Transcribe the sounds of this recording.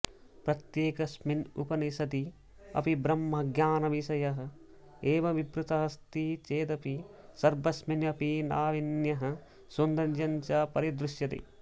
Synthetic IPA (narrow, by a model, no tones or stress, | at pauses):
pɾɐt̪jeːkɐsminupɐnisɐt̪i | ɐ̰pibɾɐmːɐɡjaːnɐʋisɐjɐɦɐ̆ | eːʋɐʋibɾut̪ɐɦɐst̪it͡ʃeːd̪ɐpi | sɐɾbɐsminɐpina̰ːʋinjɐɦɐ̆ | sund̪ɐnd͡ʒɐɲt͡ʃɐpɐɾid̪ɾuʃjɐt̪ḭ